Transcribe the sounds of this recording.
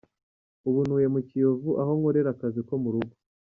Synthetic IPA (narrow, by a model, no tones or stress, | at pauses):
uβunuːje̞mucijovuʔaɦo̞ŋoɾe̞ɾakaziko̞muɾuɡo̥